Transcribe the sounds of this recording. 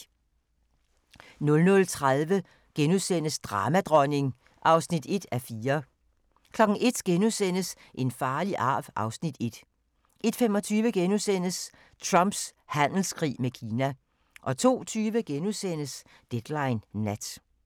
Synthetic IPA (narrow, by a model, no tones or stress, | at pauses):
nɔ̽lnɔ̽lt͡sʰʁaðˠʋə | ɡ̥enusen̰əsd̥ʁɑ̈ːmæd̥ʁɒne̝ŋ | ʔɑ̈ʊsnid̥e̝d̥æfiːɐ | kʰlɒ̽ɡ̥n̩ʔe̝d̥ɡ̥enusen̰əs | ʔe̝nfɑ̈ːliʔɑ̰̈ːʋʔɑ̈ʊsnid̥e̝d̥ | ʔe̝d̥femɒ̽t͡sʰyːʋəɡ̥enusen̰əs | t͡sʰʁɑmb̥shæn̰l̩skʰʁḭːmekʰiːnæ | ʔɒ̽t͡sʰo̝̰ːt͡sʰyːʋəɡ̥enusen̰əs | d̥ed̥lɑ̈ɪnːæd̥